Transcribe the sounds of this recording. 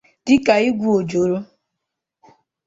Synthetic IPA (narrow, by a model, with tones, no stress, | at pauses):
d̥ɪ˦ka˨i˦ɡʷu˦o˨d͡ʒo˨ɾo˦